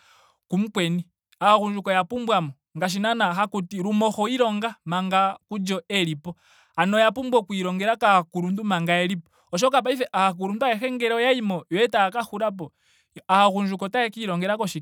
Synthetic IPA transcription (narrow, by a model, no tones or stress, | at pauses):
kum̩kwɛni | ahaɣund͡ʒukɔjapumbwamɔ | ŋɡaʃ̬inanaxakutiɾumɔxɔiɾɔŋɡamaŋɡakud͡ʒɔɛlipɔ | anɔjapumbwɔkwiɾɔŋɡɛɾakakuɾundumaŋɡaɛlipɔ̥ | ɔʃ̬ɔkap̬aifɛʔahak̬uɾunduaɛxɛŋɡɛɾɔjaimɔjwɛtakaxuɾap̬ɔ | ahaɣund͡ʒukɔtaɛkiɾɔŋɡɛɾakɔʃi